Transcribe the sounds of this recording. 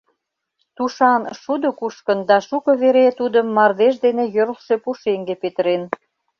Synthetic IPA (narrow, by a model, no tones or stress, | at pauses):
t̪uʃɑnʃud̪okuʃkənd̪ɑʃukɤ̆βeɾet̪ud̪əmːɑrd̪eʃ̬d̪enejøɾlʃepuʃeŋɡepet̪əɾen